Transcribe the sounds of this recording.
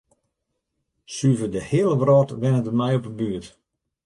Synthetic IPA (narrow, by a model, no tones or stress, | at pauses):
syvədəhɪəlˠəʋrɔtʋɪnətəmɛjɔpəbyət